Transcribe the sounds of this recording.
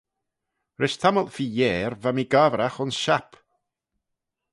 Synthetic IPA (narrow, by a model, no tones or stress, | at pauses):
ɾɪʃt̪ʰaməlˠfiːjɛːɾvamiɡavɾaxʊnsʃap